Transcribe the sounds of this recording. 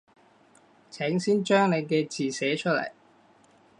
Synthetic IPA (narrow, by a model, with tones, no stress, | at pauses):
t͡sʰɛː˨˥ŋsiː˥nt͡ʃœː˥ŋne˨˧jkɛː˧t͡siː˨˩sɛː˨˥t͡ʃʰɵ˥t̚lɐ̰˨˩j